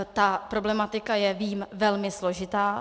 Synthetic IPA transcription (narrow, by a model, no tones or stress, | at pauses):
t̪apɾo̞blɛmat̪ɪkajɛviːmvɛlmɪslo̞ʒɪt̪aː